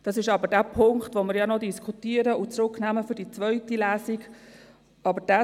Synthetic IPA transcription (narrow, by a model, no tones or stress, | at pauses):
d̥ɑsɪʃɑbədæːpʰʊŋktʋomɪɾjɑnodiskʰutiəɾəʊt͡sɾʊknæːməfʏɾdit͡svœʏtilæːsik | ɑbəd̥æ